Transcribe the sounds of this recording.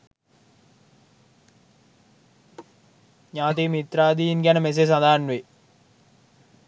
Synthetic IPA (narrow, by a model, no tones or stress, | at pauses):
ɲaːt̪imit̪ɾaːd̪iːinɡʲænəmes̬es̬ad̪aːnʋe